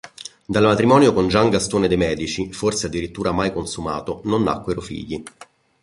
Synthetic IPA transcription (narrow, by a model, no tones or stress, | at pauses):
d̪almat̪ɾimɔːnjokond͡ʒaŋɡast̪oːned̪emɛːd̪it͡ʃiforsead̪ːiɾit̪ːuːɾamajkonsuma̰ːt̪ononːa̰kːweɾofḭːʎːi